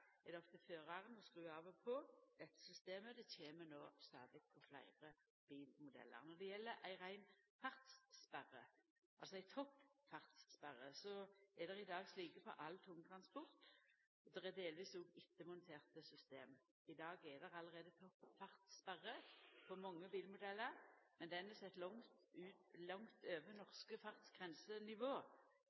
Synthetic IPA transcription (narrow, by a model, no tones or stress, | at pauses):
ɛd̪ɛɔft̪əføːʁɑʁənɔskʁʉːɑːʋɔpʰɔd̪̥ɛt̪ːə̥sʏst̪eːməd̪ɛtʰeːmənoːst̪ɑ̰ːd̪lɪk̚pʰɔflæ̰ɪʁə | b̥iːlmʊd̪ɛ̰lːə̰ʁnɔʁd̪ɛjɛlːəʔæɪʁæɪnfɑʁt̪sspæʁə̰ | ʔɑlsɔæɪt̪ʰɔpːfɑʁt̪sspæʁːəsɔɛd̪ɛʁɪd̪ɑːɡsliːkəfɔ̰ʔɑlt̪ʰʊŋt̪ʰʁɑnspɔʁt̪ | ɔd̪ɛʁɛd̪eːlʋiːsoːɡɪt̪ːəmʊnt̪ʰeːʁt̪əsʏst̪ḛːm | ɪd̪ɑːɡɛd̪ɛʁɑləɾʁeːd̪ət̪ʰɔpːfɑʁt̪spæʁəpʰɔmɔŋːəbiːlmʊd̪ɛlːəɾmɛnd̪ɛnɛsɛt̪ːlɔŋt̪ʉːt̪lɑŋt̪øːʋənɔʁskəfɑʁt̪sɡ̥ʁɛnsənɪʋoː